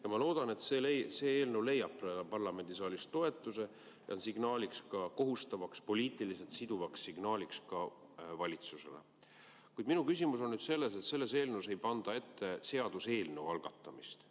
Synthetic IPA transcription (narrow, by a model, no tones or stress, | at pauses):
jɑmɑlo̞ːd̪̥ɑne̞t̪selese̞ːeːlne̞wle̞jɑbrelɑpɑrlɑme̞nd̪̥isɑːlʲist̪o̞e̞t̪ːˑuse̞ | jɑ̰nsiɡ̥nɑːlʲikskɑko̞ɦust̪ɑvɑkspo̞liːt̪ˑilise̞t̪sid̪uvɑkssiɡ̥nɑːlikskɑ | vɑlʲit̪suse̞̰lḛ | kujd̪̚minukys̬ʲimuso̞nnyd̪̥se̞lːe̞s̬e̞t̪se̞lːe̞s̬e̞ːlnewse̞jpɑnd̪̥ɑe̞t̪ːe̞se̞ɑd̪̥use̞ːlne̞wɑlɡ̥ɑ̰t̪ːˑɑmist̪